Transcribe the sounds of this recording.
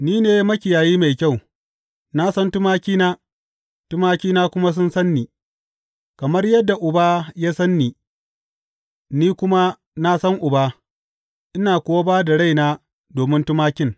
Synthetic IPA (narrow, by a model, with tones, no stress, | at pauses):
niː˦neː˨jmɐ˦kʲɪ˨jaː˨jiː˦ma˨jkʲa˦˨w | na˦sɐ˦ntʊ˦maː˦kʲiː˦naː˦ | tʊ˦maː˦kʲiː˦naː˦kʷʊ˦ma˦s̬ʊ˦nsɐ˦nːiː˨ | kɐ˨mɐ˦rjɐ˦dːa˨ʔʊ˨baː˦ja˦sɐ˦nːiː˨ | niː˦kʷʊ˦ma˦ | na˦sɐ˦ŋʔʊ˨ba˦ | ʔɪ˦naː˨kʷoː˦wa˦baː˦da˨ɽa˦jnaː˦ | doː˨mɪ˦ntʊ˦maː˦kʲɪ˦ŋ